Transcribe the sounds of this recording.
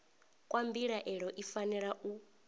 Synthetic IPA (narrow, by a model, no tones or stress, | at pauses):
kʼwambiɺaʔɛɺɔʔifanɛɺaʔu